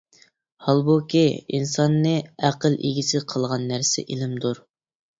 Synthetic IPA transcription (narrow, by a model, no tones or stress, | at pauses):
hɑlˠbukʲiḭnsɑnːɨæqəlʔḭɡʲisʰɪqʰəlˠʁɑnːæɾsɪ̰ʔelɪmd̪uɾ